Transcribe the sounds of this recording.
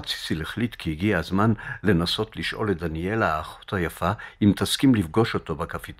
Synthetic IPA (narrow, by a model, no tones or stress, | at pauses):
t͡si̥sileχlit̪kiiɡiazmanle̞naso̞tliʃʔo̞̰let̚d̪anie̞laːχo̥thajafaimt̪askimlifɡo̞ʃo̞to̞bakafit